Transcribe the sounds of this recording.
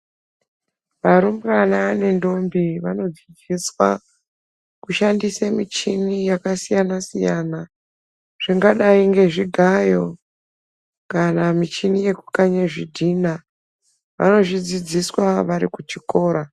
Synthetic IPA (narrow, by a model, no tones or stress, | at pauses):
ʋaɾumbranane̞ndo̞mbiʋano̞d͡zid͡ziswa̰ | kuʃandisemit͡ʃinijakasijanasijana | ʐ̥iŋɡaɗaiŋɡe̞ʐiɡʱajo̞ | kanamit͡ʃinije̞kukaɲeʐidʱiːna | ʋa̰no̞ʐid͡zid͡ziswaʋaɾikut͡ʃiko̞ːɾa